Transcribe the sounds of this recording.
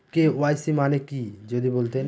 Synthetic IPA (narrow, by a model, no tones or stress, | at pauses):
keoajsimanekid͡ʒod̪ibolt̪e